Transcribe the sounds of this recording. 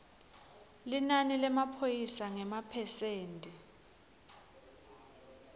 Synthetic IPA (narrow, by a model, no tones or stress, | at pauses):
linanilɛmapʰojisaŋɛmapʰɛseːntʼi